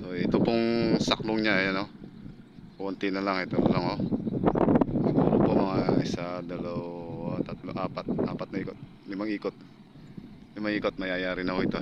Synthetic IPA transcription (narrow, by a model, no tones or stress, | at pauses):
soɛt̪opoŋsɐkloŋɲaɐno | ont̪ɪnɐlaŋɛt̪onɐlaŋo | ɪt̪opopomɐŋaʔɪsad̪ɐlɐwat̪ɐt̪loʔaːpat̪̚ʔaːpɐt̪nɐiːkot̪̚ | lɪmaŋiːkot̪̚ | lɪmaŋʔiːkot̪̚mɐjajaːɾɪnɐkoɪt̪o